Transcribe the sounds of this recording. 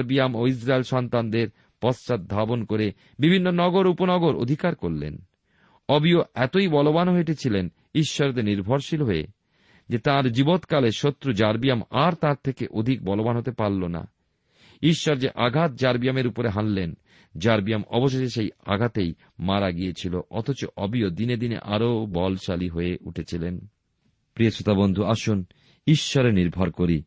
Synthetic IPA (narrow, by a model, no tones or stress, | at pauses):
ɾbijamois̬ɾaelʃɔnt̪and̪eɾ | pɔst͡ɕat̪̚d̪ʱabonkoɾe | bibʱinːonɔɡoɾuponɔɡoɾo̰d̪ʱikaɾkoɾlḛn | ɔbioɛt̪oibɔlobanɦoeʈit͡ɕʰilen | iʃːɔɾd̪eɾniɾbʱoɾʃilɦoḛ | d͡ʑet̪ãɾd͡ʑibot̪kaleʃot̪ːɾud͡ʑaɾbijamaɾt̪ãɾt̪ʰekḛʔod̪ʱik̚bɔlobanɦot̪epaɾlona̰ | iʃːɔɾd͡ʑeʔaɡʱat̪̚d͡ʑaɾbijameɾupoɾeɦanlen | d͡ʑaɾbijamɔ̰boʃ̬eʃeʃeja̰ɡʱat̪ej | maɾaɡijet͡ɕʰiloʔɔt̪ʰot͡ɕoʔɔbiod̪ined̪inḛʔa̰ɾobɔlʃaliɦoeʔṵʈʰet͡ɕʰilen | pɾiosot̪abond̪ʱuaʃun | iʃːɔɾeniɾbʱɔɾkoɾi